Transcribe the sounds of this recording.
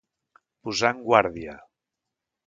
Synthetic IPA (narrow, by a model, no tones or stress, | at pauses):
puzaŋɡwaɾðiə